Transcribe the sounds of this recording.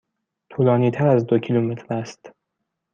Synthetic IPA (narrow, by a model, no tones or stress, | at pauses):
t̪ʰuːlɒːniːt̪ʰæɾæzd̪o̞cʰilumet̪ʰɾæst̪